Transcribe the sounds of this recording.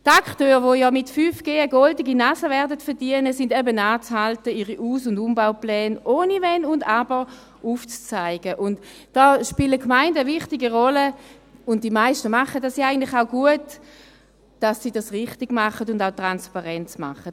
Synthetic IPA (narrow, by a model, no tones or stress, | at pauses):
takχtøːʁʋojɔːmɪtfyːfɡ̥eːəɡɔldiɡinasəvɛɐdətfɛɐʁdiənəsɪndɛbənaːt͡shaltəiʁiʔuːsʊndumbaʊplɛːnʔoːnivɛnʊndabəʁ | ʔuft͡st͡saɪɡ̥əʔʊnt | d̥ɔːʃpɪləkmaɪndəəvɪχtiɡiʁɔlə | ʊnt̚d̥imaɪʃtəmaχəd̥asiaɪɡəntlɪχaʊɡuət | d̥asːidasʁɪχtɪɡmaχətʊndaʊtʁanspaʁɛnt͡sma̰χət